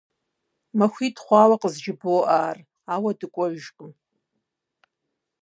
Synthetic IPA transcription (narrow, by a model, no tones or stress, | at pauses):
maxʷiːtχʷɑːwaqʼəzd͡ʒɪboːʔaːr | aːwɐdɨkʷʼɔʒʒqʼɨm